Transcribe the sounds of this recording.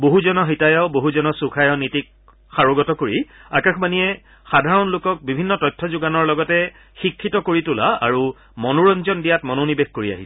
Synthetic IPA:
boɦuzɔnɔxitajɔboɦuzɔnɔsukʰajɔnitik | xaɹoɡɔtɔkoɹiakaxbaniɛ | xadʱaɹɔnlokɔk̚bibʱinːɔtɔjtʰːɔzʊɡanɔɹlɔɡɔtɛ | xikʰːitɔkoɹitʊla̰a̰ɹu | mɔnuɹɔnzɔndijatmɔnonibexkoɹia̰ɦisɛ

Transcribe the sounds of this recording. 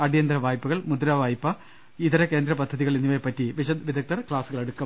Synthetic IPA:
ɐɽijɐnd̪ɾɐʋaːjpːɐɣɐɭmud̪ɾaːʋaːjpːɐ | iðɐɾɐke̞ːnd̪ɾɐpɐd̪ʱːɐðiɣɐɭinːuʋepːɐtːiʋiɕɐd̪ʋid̪ʱɐk̚t̪ɐrkɭaːsuɣɐɭe̞ɽukːɐm

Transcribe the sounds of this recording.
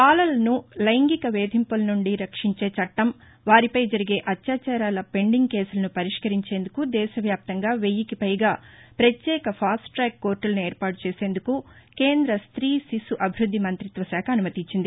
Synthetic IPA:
aːlɐlɐnulɐjŋɡikɐʋeːd̪ʱimpulɐnuɳɖiɾɐkʂiɲt͡ʃe̞ːt͡ʃɐʈːɐm | ʋaːɾipɐjd͡ʒɐɾiɡe̞ːʔɐt̪jaːt͡ʃaːɾaːlɐpe̞ɳɖiŋɡ̚ke̞ːsulɐnupɐɾiʂkɐɾiɲt͡ʃe̞ːnd̪ukud̪ɛːʃɐʋjaːp̚t̪ɐŋɡaːʋejikipɐjɡaːpɾɐt̪jɛːkɐpʰaːsʈʈɾɛːkːo̞ːɾʈulɐnue̞ːɾpaːɾʈut͡ʃeːse̞ːnd̪ukukeːnd̪ɾɐst̪ɾiːsisuʔɐbʱiɾud̪ʱːimɐnt̪ɾit̪ʋɐʃaːkʰɐnumɐt̪iɲt͡ʃːind̪i

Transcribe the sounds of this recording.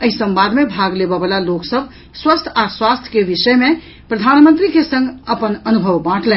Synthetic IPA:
əɦisə̃mbad̪mebʱaɡlebəbəlaloksəb̚ʱ | swəst̪ʰaswast̪ʰjə̥kebisəjme | pɾəd̪ʱanmə̃nt̪ɾikesə̃ŋɡʱəpənənubʱəʋbãʈʰlɛ̃n

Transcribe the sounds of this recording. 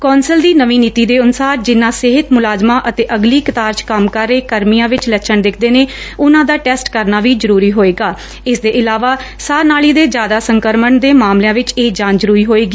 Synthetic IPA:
kɔːnsəld̪iːnəʋĩːniːt̪iːd̪eːʊnʊsaːɾd͡ʒɪnːãːsɪɦət̪mʊlaːzmãːʔət̪eːʔəɡliːkət̪aːɾt͡ʃkəmkəɾeːkəɾmijãːʋɪt͡ʃlət͡ʃʰəɳd̪ɪkʰd̪eːneːʊnãːd̪aːʈɛːsʈkəɾnaːʋiːzəɾuːɾiːɦoːeːɡaː | ɪsd̪eːʔɪlaːʋaːsaːnaːliːd̪eːd͡ʒjaːd̪aːsəŋkəɾməɳd̪eːmaːmlejãːʋɪt͡ʃeːd͡ʒãːnzəɾuːɾiːɦoːeːɡiː

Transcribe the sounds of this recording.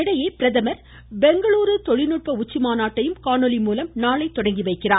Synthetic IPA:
ɪɽɐjeːpɪɾɐðɐmɐɾ | bɛŋɡɐɭuːɾɯt̪ɔɻɪnuːʈ̚pɐʊt͡ʃːɪmaːnaːʈːɐjɯmkaːɳɔlimuːlɐmnaːɭɐɪt̪ːɔɽɐŋɡiʋɐɪkːɪraː

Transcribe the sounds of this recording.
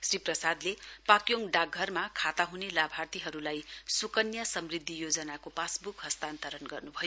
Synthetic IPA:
sriprʌsad̪lepakjoŋɖaɡʱːʌrmakʰat̪aɦunelabʱart̪iɦʌɾulajsukʌnjasʌmrid̪ʱːijod͡zʌnakopasbukɦʌst̪ant̪ʌɾʌnɡʌrnubʱʌjo

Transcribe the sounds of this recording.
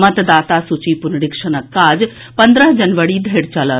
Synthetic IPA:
mət̪d̪aːt̪asut͡ʃipʊnɽɪkʃənəkːaːd͡ʒ | pɐ̃nd̪ɾəɦd͡ʒɐnʋəɽid̪ʱeːɽt͡ʃɐlə

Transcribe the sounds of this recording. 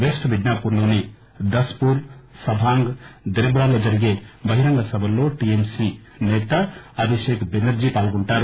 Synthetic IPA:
besʈbʱiɖnapuɾnone | d̪ɐspuɾsɐbʱaŋɡd̪ɾebɾalod͡ʒɐɾiɡebɐɦiɾɐŋɡasɐbɐlːoʈiemsi | net̪aɐbʱisekbenɐɾd͡ʒipalɡɔɳʈaɾ

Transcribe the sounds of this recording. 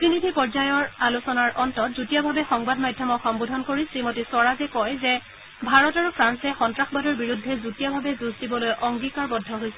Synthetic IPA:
pɹinidʱipɔɹzajɔɹalusɔnaɹʔɔntɔtzutijɔbʱabɛxɔŋbadmajdʱjɔmɔxɔmbodʱɔnkoɹisɹimotisɔɹazɛkɔjzɛ | bʱaɹɔtaɹupʰɹansɛxɔntɹaxbadɔɹbiɹudʱːɛzutijɔbʱabɛzuzdibɔlojʔɔŋɡikaɹbɔdʱːɔɦojsɛ̥

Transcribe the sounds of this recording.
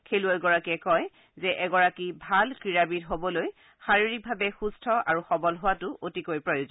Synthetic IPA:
kʰeluaɡɔɹakiɛkɔj | zɛʔɛɡɔɹakibʱalkɹiɹabidɦobɔloj | xaɹiɹik̚bʱabɛxustʰɔa̰ɹuxɔbɔlɦʊwatʊʔotikojpɹɔjozɔn

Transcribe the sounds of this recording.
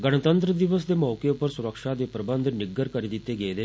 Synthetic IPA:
ɡəɽ̃ət̪ənt̪ɾəd̪iʋəsd̪emɔʋkepəɾsuɾəkʂad̪epɾəbənd̪ʱnɪɡːəɾkəɾid̪it̪eɡed̪e

